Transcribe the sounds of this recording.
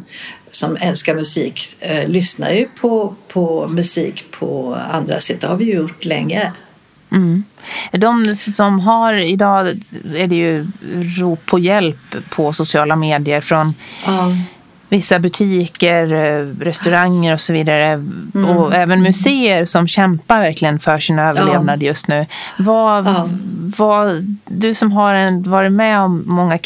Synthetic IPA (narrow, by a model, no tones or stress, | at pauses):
sɔmɛlskaɾmɵsiːklʏsna̰ɾjɵpʰɔpʰɔmɵsḭːkpʰɔ̰a̰nd̪ɾa̰sɛt̪ːəhaɾvɪjəjʊʈːlɛ̰ŋːə | m̩ː | d̪ɔmsɔmɦaɾɪd̪ɑːæɖɛjɵɾuːpʰːɔjɛlpʰːɔsʊsɪɑːlameːd̪ɪəɾfɾɔn | vɪsːabɵt̪ʰiːkəɾɾɛst̪ɵɾaŋːəɾɔsɔviːd̪aɾəɔɛːvənmɵseːəɾsɔmɕɛmpaɾvæɾklɪɡənfœʂiːnaøːvəɭeːvnad̪əjɵst̪nʉ̟ːva | vad̪ɵsɔmɦaɾɛvɑːɾɪt̪mɛɔmːɔŋːa